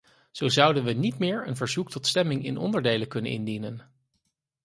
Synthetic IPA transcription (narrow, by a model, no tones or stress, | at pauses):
z̥owzʌwdənʋənitmɪːɹə̰nvəɹzuktɔtstɛmɪŋɪ̰nɔ̰ndəɹdejləkɵnə̰nʔɪ̰ndinən